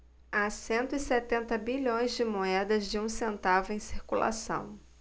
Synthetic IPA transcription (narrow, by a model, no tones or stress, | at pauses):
asẽnt̪ʊisɛt̪ẽnt̪ɐbiʎõj̃zd͡ʒɪmoɛd̪ɐzd͡ʒɪũsẽnt̪avʊẽj̃siɾkulʔa̰sɐ̰̃w̃